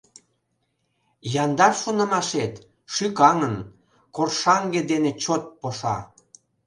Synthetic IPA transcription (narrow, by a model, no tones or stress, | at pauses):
jɑnd̪ɑrʃonə̆mɑʃet̪ | ʃykɑŋən | korʃɑŋɡed̪enet͡ɕot̪̚poʃɑ̰